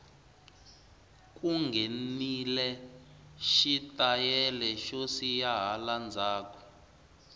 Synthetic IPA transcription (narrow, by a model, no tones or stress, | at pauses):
k̬ʼuŋɡʱenilɛ | ʃitajɛlɛʃosijaɦaland͡zʱaːkʰɔ̥